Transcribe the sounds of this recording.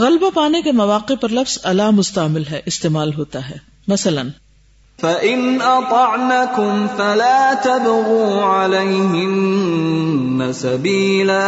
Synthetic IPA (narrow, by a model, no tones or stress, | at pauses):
ɣɐlbapaːnekemɐʋaːqɪpɐɾlɐfz̥ɐlaːmʊst̪amɪlɦɛːʔɪst̪eːmaːlɦoːt̪aɦɛː | mɐsɐlən | faʔɪnʔɑt̪ˤɑʕnakʊmfalaːt̪abɣuːʕalajɦɪn | asabiːlaː